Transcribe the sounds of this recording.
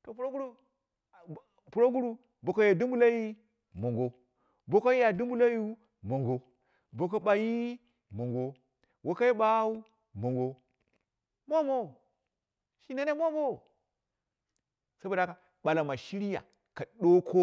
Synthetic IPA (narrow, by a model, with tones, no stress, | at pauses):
to˨pu˨ɾo˦ɡu˦ɾu˦ | pu˨ɾo˦ɡu˦ɾu˦ | bo˨ka˨˦ja˨du˦mbu˦la˦ji˦ | mo˨ŋɡo˨ | bo˨ko˦ja˨du˦m˦u˦la˦ju˦ | mo˨ŋɡo˨ | bo˨k̬o˦ɓa˨ji˦ | mo˨ŋɡo˨˦ | wo˨ka˦ji˦ba˦u˦ | mo˨ŋɡo˨ | mo˦mo˦˨ | ʃi˦na˦ne˦mo˦mo˦˨ | sa˦bo˨da˦ka˨ | ɓa˨la˨ma˨ʃi˦ɾi˦ja̰˨ | ka˨ɗo˦kʰo˦